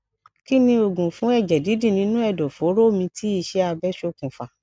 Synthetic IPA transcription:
ki˦nĩ˧o˨ɡũ˨fũ˨˦ɛ˦˨d͡ʒɛ˨di˨˦di˦˨nĩ˨˦nũ˦ɛ˦˨dɔ˨fo˨˦ɾo˦˨mĩ˧tʰi˦i˦˧˨ʃɛ˦a˧bɛ˦ʃo˦kũ˨fa˨

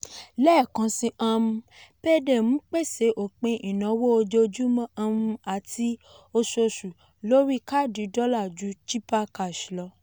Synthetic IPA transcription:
lɛː˦˨kã˨˧sĩ˧ʔã˧mũ˧pe˦de˨m̩̃˨˦k͡pe˦˨se˨˦ʔo˨k͡pẽ˧ʔi˨nã˨˦wo˦o˧d͡ʒo˧d͡ʒu˦mɔ̃˦ã˧mũ˧a˨ti˧ | o˧so˧su˨ | lo˦ɾi˦ka˦˨di˨˦dɔ˦la˦˨d͡ʒu˨˦t͡ʃi˦pa˦ka˨ʃlɔ˧˦

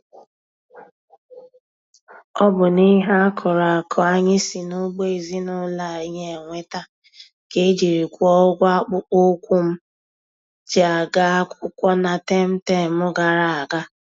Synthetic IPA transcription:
ɔ˦bʊ˨ni˦ɦa˦kʰɔ˨ɾa˨kʰɔ˨a˦ɲɪ˦si˨nʊ˦ɡ͡be˦e˨zi˦nʊ˦la˨i˦ɲe˦˨ŋʷe˦ta˦ | ke˦d͡ʒi˨ɾi˨kʷɔ˦ɡʷa˦k͡pʊ˦o˦kʷu˦m̩˦ | d͡ʒa˨ɡa˦kʷʊ˦kʷɔ˦na˨te˦m̩˦te˦˨mʊ˦ɡa˨ɾa˨a˨ɡa˦

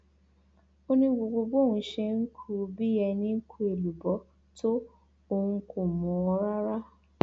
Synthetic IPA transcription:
o˧nĩ˧ɡ͡bo˨ɡ͡bo˧ɡ͡bo˦˨hũ˧˦ʃɛ˧ŋ̩˦kʰu˦˧bi˦jɛ˧nĩ˦ŋ̩˦kʰu˦e˨lu˨bɔ˨˦ | to˦ | o˧hũ˧ko˨mɔ̃˨˦ɔ˧˦ɾa˦ɾa˦

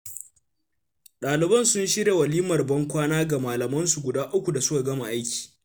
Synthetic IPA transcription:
ɗaː˨lɪ˨bɐ˦˨nsʊ˦nʃɪ˦ɾe˨wɐ˨liː˦mɐ˨rbɐ˦ŋkʷaː˦naː˦ɡa˨maː˨lɐ˨mɐ˦nsu˨ɡʷʊ˨daː˦ʔʊ˦kʷu˨da˨sʊ˦ka˨ɡɐ˦ma˨ʔa˦jkʲi̥ː˨

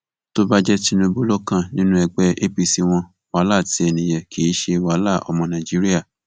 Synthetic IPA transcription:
to˦ba˦d͡ʒɛ˦ti˦nũ˧bo˦lo˦kã˦˨nĩ˦nũ˦ɛ˧ɡ͡bɛ˦ʔe˦pi˧si˧w̃ɔ̃˧ | wa˨˦la˦˨ti˨˦ɛ˧˨nĩ˨jɛ˨kʰi˨˦ʃe˧wa˨˦la˦˨ɔ̰˧mɔ̃˧nã˨d͡ʒi˦ɾi˦a˦˨

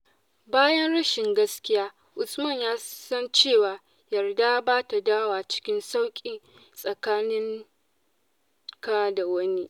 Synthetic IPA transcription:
baː˦jɐ˦nɽɐ˦ʃɪ˨ŋɡɐ˦skʲɪ˦jaː˦ | ʔʊ˨smɐ˦˨ɲjaː˦sɐ˦nt͡ʃeː˦˨waː˨ | jɐ˨rda˦baː˦ta˨daː˦waː˨t͡ʃɪ̥˦kʲɪ˦nsa˦wkʲʼiː˨ | sʼɐ˨kaː˦nɪ˦ŋ | kaː˦da˨wɐ˦ni˦

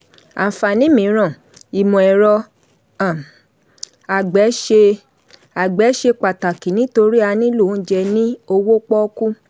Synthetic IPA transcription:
a˨fa˨nĩ˦mĩ˨˦ɾ̃ɔ̃˦˨ | i˨mɔ̃˨ɛ˨ɾɔ˧ | ã˨ | a˨ɡ͡bɛ˨˦ʃe˧ | a˨ɡ͡bɛ˨˦ʃe˧k͡pa˨ta˨ki˨nĩ˨˦to˧ɾi˦a˧nĩ˦lu˦˨˦d͡ʒɛ˧nĩ˦o˧wo˦k͡pɔ˦ku˦

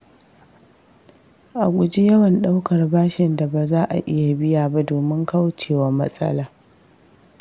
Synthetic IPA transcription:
ʔa˨kʷʼʊ˨d͡ʒi˦jɐ˦wɐ˨nɗa˦wkɐ˨rbaː˦ʃɪ˨nda˨ba˨zaː˦ʔa̰˨ʔɪ˦ja˨bɪ˦jaː˨ba˦doː˨mɪ˦ŋka˦wt͡ʃeː˨wɐ˦mɐ̰˦sʼɐ̰˦laː˦

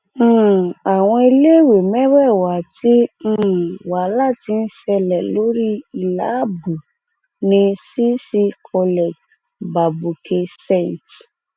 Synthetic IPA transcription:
a˨w̃ɔ̃˧i˧le˦˨we˨mɛ̃˦wɛ˦˨wa˨˦tʰĩ˦˨ | wa˨˦la˦˨ti˧n̩˦ʃɛ˧lɛ˨lo˨˦ɾi˦i˦˨la˨˦bu˨ | nĩ˧si˦si˧kʰɔ˧lɛ˨d͡ʒ | ba˨bu˨kʰe˧sɛ˦˨n˨t

